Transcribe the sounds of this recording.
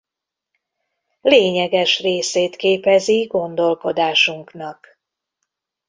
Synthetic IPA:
leːɲɛɡɛʃreːseːt̪keːpɛziɡo̞nd̪o̞lko̞d̪aːʃuŋknɒk

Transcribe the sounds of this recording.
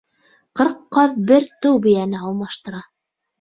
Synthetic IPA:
qɤ̆ɾqːɑðbɘɾt̪ɵwbɘ̆jænɘɑlˠmɑʃt̪ɤ̆ɾɑ

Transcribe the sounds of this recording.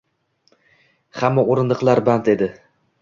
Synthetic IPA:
hamːaoɾɪnd̪ɨqlˠaɾbant̪e̞d̪ɪ

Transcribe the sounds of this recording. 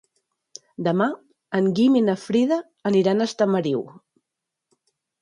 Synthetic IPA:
d̪əma | əŋɡiminəfɾiðəː | niɾanəst̪əməɾiw

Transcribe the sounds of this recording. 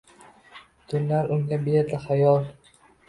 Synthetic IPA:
t̪ʰʊnlaɾʊŋɡʲabeɾd̪aχajɒlˠ

